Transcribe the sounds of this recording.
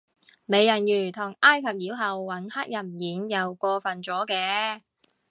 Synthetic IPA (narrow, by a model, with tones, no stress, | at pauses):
me˨˧jːɐ˨˩njyː˨˩t̪ʰʊ˨˩ŋʔaː˥jkʰɐ˨p̚jiː˨˥wɦɐ˨wːɐ˨˥nhaː˥k̚jɐ˨˩nm˨jiː˨˥njɐ˨˧wkɔː˧fɐ˨nt͡sɔː˨˥kɛː˧